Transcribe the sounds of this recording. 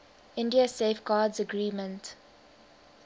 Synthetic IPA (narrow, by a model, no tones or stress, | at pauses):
ɪ̃ndiəseːfɡaːdzəɡɹiːmə̃nt